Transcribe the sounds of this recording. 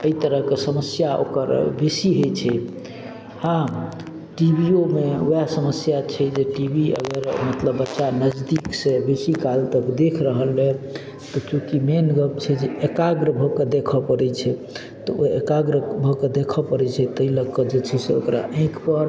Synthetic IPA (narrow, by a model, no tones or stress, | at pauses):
əit̪əɾəɦkesəməsjaʔo̰kə̰ɾbesiɦojt͡ʃʰɛ | hã | ʈibʱiomeojasəməsjat͡ʃʰɛd͡ʒeʈibʱiə̰ɡəɾmət̪ləbːətːʃanəd͡ʒd̪iksebesikalt̪əkd̪ekʰɾəɦəlɦɛ | t̪ɔkjũkimenɡəbt͡ʃʰɛd͡ʒeekaɡɾəbʱəked̪ekʰɔpəɾɛt͡ʃʰɛ | t̪ɔoḛkaɡɾəbʱəked̪ekʰɔpəɾɛt͡ʃʰɛt̪əɦiləɡ̚kɔd͡ʒet͡ʃʰɛsḛo̰kɾa̰ʔə̃kpəɾ